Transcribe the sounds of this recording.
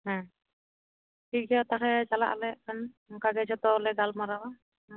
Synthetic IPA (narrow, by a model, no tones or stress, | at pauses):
ɦã | ʈʰiɡɛɔt̪axɛd͡ʒala̰ʔalɛʔkan | ŋkaɡɛd͡ʒɔt̪ɔːlɛɡalmaɾaa